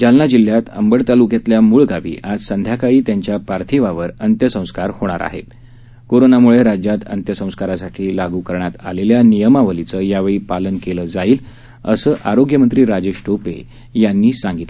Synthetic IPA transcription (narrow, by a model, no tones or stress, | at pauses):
d͡ʑalnad͡ʑil̤ːjat̪ə̰mbəɽt̪alukjat̪ljamuɭɡaʋḭːʔad͡zsənd̪ʱjakaɭiːt̪jaɲt͡ɕjapaɾt̪ʰiʋaʋəɾənt̪jəsə̃w̃skaɾhoɽ̃aɾa̰ɦḛ | koɾonamuɭeɾad͡ʑjat̪ənt̪jəsə̃w̃skaɾasaʈʰiːlaɡukəɾɳat̪a̰leljanijəmaʋəlit͡səjaʋeɭiːpalənkeləd͡zaiːl | ə̰səːʔaɾoɡjəmənt̪ɾiːɾad͡ʑeɕʈopḛ | janːiːsãŋɡit̪